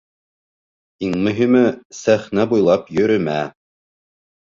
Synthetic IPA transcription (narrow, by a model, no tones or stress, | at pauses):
iŋmɵ̆ɦimɘsæχnæbujlˠɑpjɵ̆ɾɵ̆mæ